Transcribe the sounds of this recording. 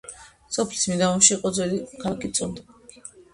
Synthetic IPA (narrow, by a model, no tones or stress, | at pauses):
sɔpʰli̥smid̪aɔnʃiːqʼɔd̪zwɛlikʰakʼit̪sʼɔnd̪i